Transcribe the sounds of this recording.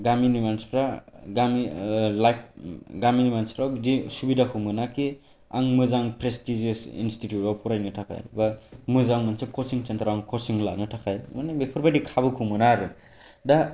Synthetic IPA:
ɡaminimanspʰɾaɡamilajpɡaminimanspʰɾawbdisubidakʰɯmɯnaki | a̰ŋmɯzaŋpɾestizesḭnstitʰjutawpʰuɾajnɯtʰakʰa̰jbamɯzaŋmansekʰɔsiŋt͡ʃant̪ʰɾawaŋkʰɔsiŋla̰nɯtʰakʰajmɯnebepʰɯɾbadikʰabɯkʰumɯnaɾɯ | da

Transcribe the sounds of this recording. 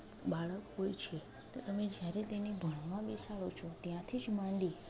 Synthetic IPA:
ɓaɭəkɦojt͡ʃʰe | t̪ot̪əmẽd͡ʒjaɾet̪enebʱəɳ̃mãɓisaɭot͡ʃʰot̪jãt̪ʰid͡ʒmãɳɖi

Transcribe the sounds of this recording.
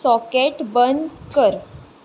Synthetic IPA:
sɔkeʈbənd̪kəɾ

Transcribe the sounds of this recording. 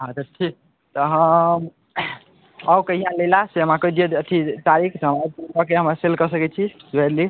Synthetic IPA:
ɦãt̪ət̪ʰːi | t̪ɔɦəm | əbkəɦijãlelaseəmãkəjd̪ijeət̪ʰit̪aɾikʰt̪ɦəmabɔkeɦəmɾaselkəsəkɛt͡ʃʰid͡ʒoɛɾli

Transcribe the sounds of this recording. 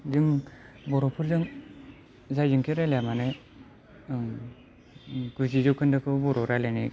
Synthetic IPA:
dɯŋ | bɔɾɔpʰɯɾzɯŋ | zajzɯŋkʰeɾaljamanɯ | ɡ̥ɯzizɔkʰɯndɯkʰɯbɔɾɔɾalani

